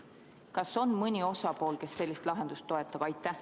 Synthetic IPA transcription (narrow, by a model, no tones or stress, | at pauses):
kɑso̞nmɤnʲio̞sɑpo̞ːlke̞sːe̞lʲːist̪lɑɦe̞nd̪̥ust̪ːo̞e̞t̪ˑːɑb̥ɑjt̪ːˑæh